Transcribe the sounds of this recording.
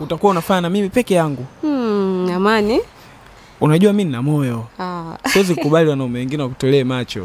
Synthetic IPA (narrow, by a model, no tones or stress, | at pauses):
utakuwaunafaɲanamimipɛkɛjaŋɡu | amani | unaʄuwamininamɔjɔasiwɛzikkuɓaliwanaumɛwɛŋɡinɛwakutɛlɛːmat͡ʃɔ̰